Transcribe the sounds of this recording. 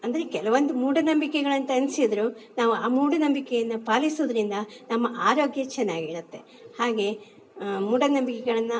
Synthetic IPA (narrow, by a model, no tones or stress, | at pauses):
ɐnd̪ɐɾe̞kɛlɐʋɐnd̪umuːɽɐnɐmbikɛɡɐɭɐnt̪ɐɐnsid̪ɐɾunaːʋuaːmuːɽɐnɐmbikɛjɐnːɐpaːlisoːd̪ɐɾind̪ɐnɐmːɐʔaːɾo̞ːɡjɐt͡ʃɛnːaːɡiːɭut̪ːe̞ | haːɡe̞ | muːɽɐnɐmbikɛɡɐɭɐnːɐ